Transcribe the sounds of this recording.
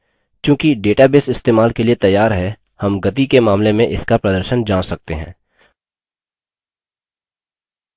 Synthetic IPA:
t͡ʃjũːkiɖeːʈabeːsɪst̪eːmaːlkeliet̪ɐjːaːɾɦɛ | hɐmɡɐt̪ikemaːmlemẽʔɪskapɾɐd̪əɾʃənd͡ʒãːsɐk̚t̪eɦɛ̰̃ː

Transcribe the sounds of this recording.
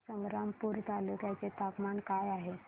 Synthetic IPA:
sə̃ʋɾampuɾt̪alukjat͡set̪akmankajaɦe

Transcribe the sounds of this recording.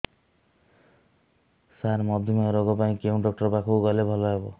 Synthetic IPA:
saɾmʌd̪ʱimaɾoɡopaĩkeũɖɔk̚ʈʌrbakʰuɡʌlebʱʌlaebo

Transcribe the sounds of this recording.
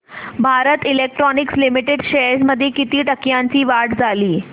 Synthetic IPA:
bʱaɾət̪ilek̚ʈɾɔnikslimiʈeɖɕesməd̪ʱːjekit̪iːʈəkjaɲt͡ɕiːʋaɽd͡zʱaliː

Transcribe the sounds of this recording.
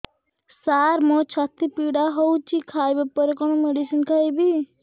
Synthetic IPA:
saɾmɔt͡ʃʰat̪ipiɽaɦɔwt͡ʃʰikʰajbepɔɾekɔnomeɖisinkʰajbi

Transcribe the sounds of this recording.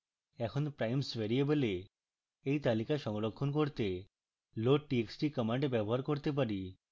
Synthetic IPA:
ɛkʰonpɾajmsbeɾiebole | ejt̪alikaʃɔŋlokʰːonkoɾt̪e | loʈieksʈikɔmaɳɖbɛboɦaɾkoɾt̪ep̬aɾi

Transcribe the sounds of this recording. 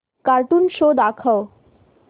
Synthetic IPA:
kaɾʈ̪uːnɕod̪akʰəw

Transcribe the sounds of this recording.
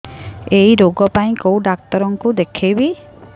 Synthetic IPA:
ejɾoɡɔpaĩkowɖak̚t̪ɔɾɔŋkud̪ekʰebi

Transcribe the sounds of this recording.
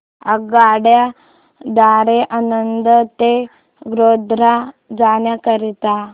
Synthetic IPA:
aɡaɽja | d̪aɾeʔanənd̪ət̪e | ɡɾod̪ɾad͡zaɳjakəɾit̪a

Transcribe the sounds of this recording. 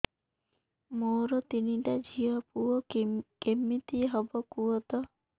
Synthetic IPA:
moɾɔt̪iniʈad͡ʒʱiɔpuɔkemːit̪iɦɔbɔkuɔt̪ɔ

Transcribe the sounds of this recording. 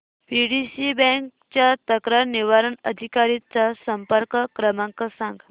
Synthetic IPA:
piɖisibɛ̃ŋk | t͡ɕjat̪əkɾaɾniʋaɾəɳəd̪ʱikaɾit͡sasəmpəɾkəkɾəmaŋkəsãŋɡ

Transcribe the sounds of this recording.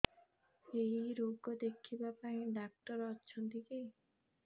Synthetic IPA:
ejɾoɡod̪ekʰibapaĩɖak̚ʈɔɾɔːʃʰɔnt̪ʰikej

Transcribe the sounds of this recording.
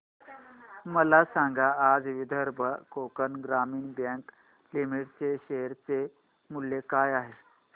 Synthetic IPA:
məlasaŋɡaːd͡zʋid̪ʱəɾbʱəkokənɡɾamiːnbjə̃ŋk | limiʈt͡seɕejəɾt͡se | muljekajaɦe

